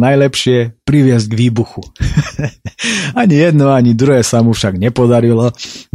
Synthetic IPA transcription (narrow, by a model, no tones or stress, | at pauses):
najlɛpʃɪɛpɾiʋɪɛzɟɡʋiːbuxu | aɲijɛd̪nɔaɲid̪ɾuɦɛːsamufʃaɡɲɛpɔd̪aɾilɔ